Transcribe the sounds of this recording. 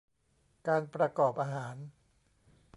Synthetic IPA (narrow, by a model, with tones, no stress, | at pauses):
kaː˧npɾa˧kɔː˨˩p̚ʔaː˧ɦaː˩˦n